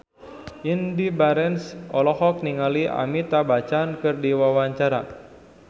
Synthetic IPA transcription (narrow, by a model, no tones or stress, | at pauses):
ʔindibaɾɛnsɔlɔhɔk̚niŋaliʔa̰mit̪abat͡ʃaːnkɨrdiwawaɲt͡ʃaɾa